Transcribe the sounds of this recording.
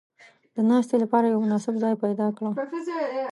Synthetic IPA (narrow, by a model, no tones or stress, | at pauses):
d̪ənɑst̪elapɑɾajawmʊnɑsɪbzɑjpajd̪ɑkɽa